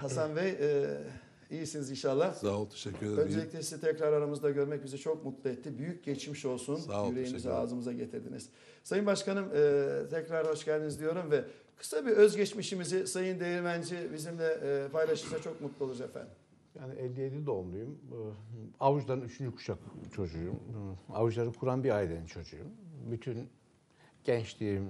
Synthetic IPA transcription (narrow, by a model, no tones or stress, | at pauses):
hasanvejɛ | ijisinizinʃalˠːasaot̪ʰeʃɛcʰːyeønd͡ʒelʲiclʲɛsiit̪ʰɛcɾaɾaɾamɯzd̪aɟø̞ɾmɛc̚bizɛt͡ʃʰo̞kmut̪lˠɯɛt̪ʰːibyjyc̚ɟɛt͡ʃmiʃo̞lˠsunayɾejimizɛa̰ːzɯmɯzaɟe̞t̪ʰiɾd̪ḭniz̥ | sajɯnbaʃkanɯmɯt̪ʰɛcɾaɾhaʃcælʲd̪inizd̪ijo̞ɾumvɛ | kʰɯ̥sabiøzɟɛt͡ʃmiʃimizɪsajɯnd̪ejiɾmænd͡ʒibizimd̪ɛpʰajlˠaʃɯmsat͡ʃʰo̞k̚mut̪lˠuolˠuɾefæ̰nd̪ | jaːniʔɛlʲːijed̪id̪olˠujum | auʒlˠaɾɯnyt͡ʃʰynd͡ʒykʰu̥ʃakt͡ʃʰo̞d͡ʒujuma̰vuʒlˠaɾɯkʰuɾanbiɾajd̪enint͡ʃʰo̞d͡ʒujṵmbyt̪ʰyn | ɟ̥ɛnt͡ʃt̪im